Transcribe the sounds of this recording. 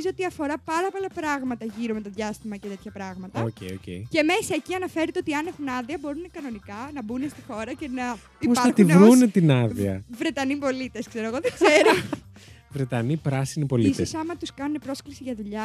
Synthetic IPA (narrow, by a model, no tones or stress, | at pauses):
izot̪iɐfo̞ɾɐpɐɾɐpo̞lɐpɾɐɣmɐt̪ɐʝiɾo̞me̞t̪oðʝɐst̪imɐcet̪e̞t̪çɐpɾɐɣmɐt̪ɐocejocḛiceme̞sieciɐnɐfe̞ɾet̪eo̞t̪iɐne̞xunɐðiɐbo̞ɾunekɐno̞nikɐnɐbunest̪ixo̞ɾɐce̞nɐ | ipɐɐxt̪iunvɾunet̪inɐðiɐ̰vɾe̞t̪ɐnipo̞lit̪e̞skse̞ɾoe̞ɣoðeɡ̥ze̞ɾo | vɾet̪ɐnipɾɐsinipo̞liist̪eosɐmɐt̪uskɐnune̞pɾo̞sklisiʝɐðuʎɐ